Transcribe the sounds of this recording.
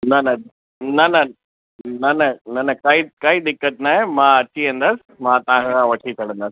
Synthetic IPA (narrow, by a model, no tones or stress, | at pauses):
nɐnɐ | nɐnɐ | nɐnɐnɐnɐkaːikaːid̪ɪkːət̪naːɦẽmãːɐt͡ɕiɦɐ̃nd̪asɪ̥mãːt̪ɐʋ̤ãkʰãːʋɐʈʰit͡ɕʰɐɽ̤ə̃nd̪aːs